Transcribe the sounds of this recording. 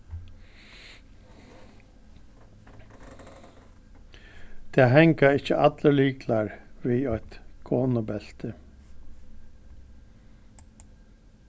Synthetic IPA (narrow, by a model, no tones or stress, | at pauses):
t̪ʰɛːɦɛŋkaɪht͡ʃəʔat̪ləliːklaɹʋiːɔʏt̪kʰoːnʊbɛl̥t̪ə